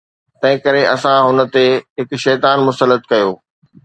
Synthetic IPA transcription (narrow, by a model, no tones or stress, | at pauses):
t̪ɐ̃ɦɪ̃kɐɾeʔɐsãɦʊnə̆t̪eɦɪkʃɛːt̪aːnmʊsəlːət̪kɐjoː